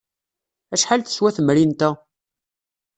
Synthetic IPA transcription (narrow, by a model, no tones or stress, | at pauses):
æʃħalθə̥swæθəmɾint̪æ